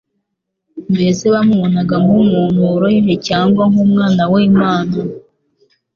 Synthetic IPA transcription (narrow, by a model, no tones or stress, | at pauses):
mbe̞zeβamuβonaɡaŋumuːnuɾojinecaːŋɡwaŋumŋaːnawemaːna